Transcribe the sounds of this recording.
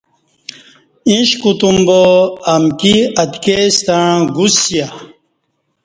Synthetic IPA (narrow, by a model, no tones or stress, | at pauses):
ĩɕkut̪umboɐmkiɐt̪kest̪ãɡusja